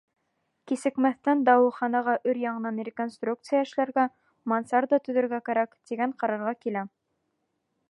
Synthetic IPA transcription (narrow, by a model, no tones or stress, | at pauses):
kisɘ̆kmæθt̪ænd̪ɑwɤ̆χɑnɑʁɑʔɵɾjɑɴɤ̆nɑnrʲɪkonst̪ruk̚t̪sɨjaɘ̆ʃlæɾɡæ | mɑnsɑɾd̪ɑt̪ɵ̆ðɵ̆ɾɡækæɾækt̪iɡæɴqɑɾɑɾʁɑkilæ